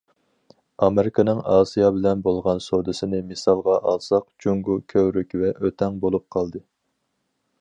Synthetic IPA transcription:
ɑmeɾɪkʰɨnɨŋɑːsijɑbɪlɛnbolˠʁɑnsod̪ɨsɪnɪmɨsɑlˠʁɑʔɑlˠsɑqd͡ʒuŋɡukʲʰøwɾykʲvɛʔøt̪ʰɛŋbolˠup̚qʰɑlˠd̪ɨ

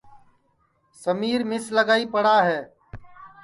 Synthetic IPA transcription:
səmiːɾmɪsləɡaːiːpəɽaːɦɛː

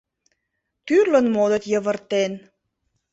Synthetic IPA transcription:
t̪yrlə̆nmod̪ət̪jəβərt̪en

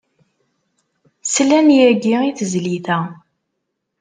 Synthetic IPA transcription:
slænjæɡiiθəzliθæ

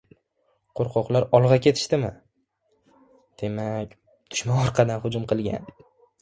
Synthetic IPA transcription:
qʰoɾqʰɒqlˠaɾɒlˠʁɑkʲʰe̞t̪ʰɪ̥ʃt̪ɪmɪ | d̪̥e̞makʲ | t̪ʰʊ̥ʃmaɒɾqʰɑd̪anhʊd͡ʒʊmqʰɨlˠɡʲa̰n

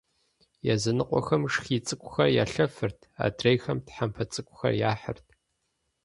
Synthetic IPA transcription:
jazɨnɨqʷʼɔ̰xɐmʂxiːt͡sʼɨkʷʼʊxɐrja̰ːɬɐfɨrtʰa̰ːdʰrejxɐmtħampʰɐt͡sʼɨkʷʼʊxɐ̰rjaːħə̰rtʰ

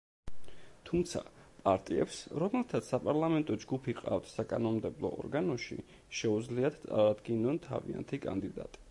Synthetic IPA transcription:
t̪ʰumt̪sʰa̰pʼaɾt̪ʼiɛ̰psɾɔmɛlˠt̪ʰat̪ssapʼaɾlˠamɛnt̪ʼɔd͡ʒɡupʰiqʼa̰ft̪ʰsakʼanɔmmd̪ɛblˠɔ̰ɔ̰ɾɡanɔʃḭ | ʃɛud̪zliad̪̥t̪sʼa̰ɾad̪ɡinːɔnt̪ʰa̰vḭa̰nt̪ʰikʼa̰nd̪id̪a̰t̪ʼi̥

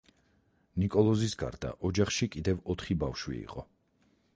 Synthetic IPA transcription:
nikʼɔlˠɔzisɡa̰ɾd̪a̰ʔɔd͡ʒaχʃikʼid̪ɛvɔt̪ʰχibafʃwḭḭqʼɔ

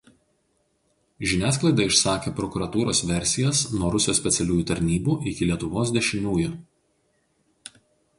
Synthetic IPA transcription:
ʒʲɪnʲæːsklˠɐɪd̪ɐɪʃsɑːkʲeːpɾɔkʊɾɐt̪uːɾoːsʋʲɛɾʲsʲɪjɛsnuɔɾʊsʲɪjoːsʲpʲɛt̪sʲɛlʲuːjuːt̪ɐɾʲnʲiːbuːʔɪkʲɪlʲiɛt̪ʊʋoːs̬d̪ʲɛʃʲɪnʲuːjʊ

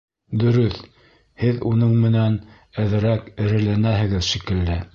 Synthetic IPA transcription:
d̪ɵ̆ɾɵθ | hɘðunɤɴmɘ̆næn | æð̆ɾækɘ̆ɾɘ̆lænæɦɘ̆ɡɘðʃikɘ̆lːɘ

